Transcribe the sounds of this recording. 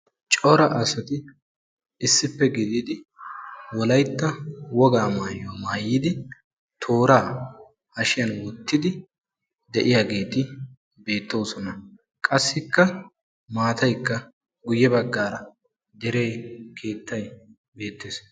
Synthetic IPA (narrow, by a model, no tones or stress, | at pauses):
t͡ʃʼɔɾɐʔɐsɐt̪ɪ | ɪsːɪpːɛɡɪd̪ɪd̪ɪ | wɔlɐjt̪ːɐwɔɡaːmaːjomaːjːɪd̪ɪ | t̪ʰo̞ːɾaː | hɐʃɪjɐnwɔt̪ːɪd̪ɪ | d̪ɛʔɪjaːɡe̞ːt̪ɪ | be̞ːt̪ːo̞ːsɔnɐ | kʼɐsːɪkːɐ | maːt̪ɐjkːɐ | ɡʊjːɛbɐɡːaːɾɐ | d̪ɛɾe̞ːkʰe̞ːt̪ʰːɐj | be̞ːt̪ːeːs